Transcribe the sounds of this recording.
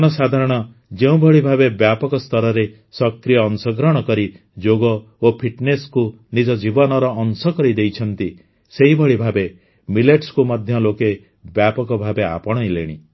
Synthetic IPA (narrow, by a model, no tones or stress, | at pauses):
nɔsad̪ʱaɾɔɽ̃ɔ | d͡ʒeũbʱɔɭibʱabebjapɔkɔst̪ɔɾɔɾe | sɔkɾijɔːnsɔɡɾɔɽ̃ɔkɔɾi | d͡ʒoɡɔ | opʰiʈnesku | nid͡ʒɔd͡ʒibɔnɔɾɔːnsɔkɔɾid̪ejt͡ʃʰɔnt̪i | seɦibʱɔɭibʱabe | mileʈskumɔd̪ʱjɔloke | bjapɔkɔbʱabea̰pɔɽ̃ɔjlḛɽ̃i